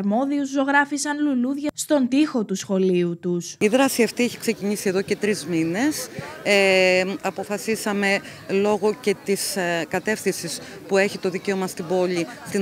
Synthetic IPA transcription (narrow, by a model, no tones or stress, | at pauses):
ɾmo̞ðiuzːo̞ɣɾɐfisɐnluluðʝɐst̪o̞nt̪ixo̞t̪usxo̞liut̪usiðɾɐsiɐft̪ieçi̥kse̞ciɲisie̞ðo̞ce̞t̪ɾizmine̞seɐpo̞fɐsisɐme̞ | lo̞ɣo̞ce̞t̪iskɐt̪e̞fθinsis | pue̞çit̪o̞ðice̞o̞mɐst̪ibo̞ʎist̪i